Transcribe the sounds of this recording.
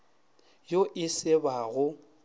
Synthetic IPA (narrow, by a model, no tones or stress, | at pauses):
joʔɪsɪbaɣʊ